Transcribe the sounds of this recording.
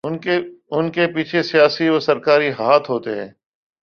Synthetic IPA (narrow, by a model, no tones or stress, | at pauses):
ʊnkepiːt͡ʃʰesijaːsiʋɐsɐɾkaːɾiɦaːt̪ɦoːt̪eɦɛ̰̃ː